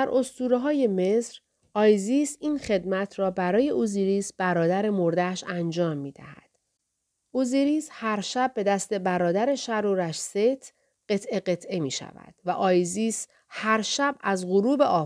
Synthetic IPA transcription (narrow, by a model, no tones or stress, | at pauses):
d̪æɾʔo̞st̪uːɾeɦɒːje̞me̞sɾ | ʔɒːjziːsiːnχe̞d̪mæt̪ʰrɒːbæɾɒːje̞ʔuziːɾiːsb̥æɾɒːd̪æɾe̞mo̞ɾd̪æʃænd͡ʒɒːmːiːd̪æhæ̰d̪̥ | uziɾiːshæɾʃæb̚ːe̞d̪æst̪e̞bæɾɒːd̪æɾe̞ʃæɾuːɾæʃset̪ʰ | ɢe̞t̪ʰʔe̞ɣe̞t̪ʰʔe̞miːʃæ̰væ̰d̪̥væʔɒːjziːs | hæɾʃæbæzɣoɾuːbe̞ʔɒː